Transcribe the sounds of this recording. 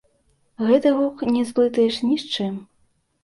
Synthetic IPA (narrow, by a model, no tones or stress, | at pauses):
ɣɛt̪ɨɣɔknʲɛzplˠɨt̪ɐjɛʂnʲiʂt͡ʂɨm